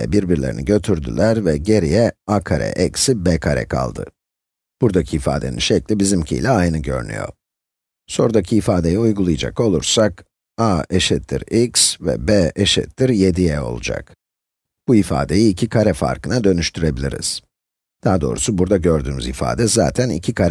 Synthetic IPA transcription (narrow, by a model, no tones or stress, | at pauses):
ɛ̰biɾbiɾlʲe̞ɾḭniɟø̞t̪ʰyɾd̪y̰lʲæɾvɛɟe̞ɾijɛakʰaɾɛ̰ʔɛcsibɛkʰaɾɛ̰kʰa̰lˠd̪ɯ̰ | b̥uɾd̪acʰiːfa̰ːd̪e̞̰nḭnʃɛclʲibizimcʰḭlʲɛajnɯɟø̞̰ɾyny̰jo̞̰ | so̞̰ɾd̪acʰiːfaːd̪e̞jiujɡulˠujad͡ʒa̰ko̞lˠuɾsak | aeʃɛt̪ːḭɾiksvɛ̰bɛeʃɛ̰t̪ːiɾje̞d̪ijɛo̞̰lˠud͡ʒa̰k | b̥uifa̰ːd̪e̞jiːcʰikʰaɾɛfa̰ɾkɯnad̪ø̞nyʃt̪ʰyɾe̞bilʲḭɾḭz̥ | d̪̥aːd̪o̞ːɾusubuɾd̪aɟø̞ɾd̪yːmy̰zifa̰ːd̪ɛza̰ːt̪ʰænḭcʰikʰaɾɛ